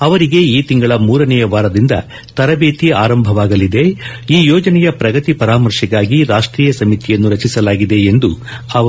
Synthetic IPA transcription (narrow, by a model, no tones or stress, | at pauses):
ɐʋɐɾiɡe̞iːt̪iŋɡɐɭɐmuːɾɐnɛjɐʋaːɾɐd̪ind̪ɐ̰ | t̪ɐɾɐbeːt̪iaːɾɐmbʱɐʋaːɡɐlid̪e̞ | iːjɔːd͡ʒɐnɛjɐpɾɐɡɐt̪ipɐɾaːmɐɾʂɐɡaːɡiɾaːʂʈɾiːjɐsɐmit̪ijɐnːuɾɐt͡ʃisɐlaːɡid̪e̞end̪u | ɐɐ